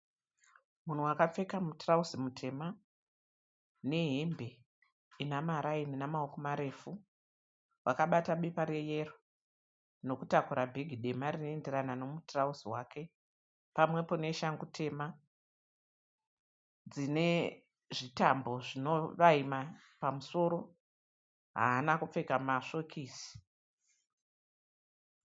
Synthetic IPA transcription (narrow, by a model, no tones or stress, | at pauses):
mun̤uwakap͡fe̞kamutrausimutʰe̞ma | ne̞ɦembe̞ | inamaɾaininamaokomaɾe̞fu | wʔakaɓataɓipaɾeje̞ro | no̞kutakuɾabʱeɡʱiɗe̞marinoe̞ndeɾanano̞mutrausiwakʰe̞ | pamwe̞po̞ne̞ʃaŋɡutʰe̞ma | d͡zine̞ | ʐitambo̞ʐino̞ʋaima | pamuso̞ɾo̞ | ɦa̰ːnakup͡fe̞kamaʂo̞kʰiːsi̥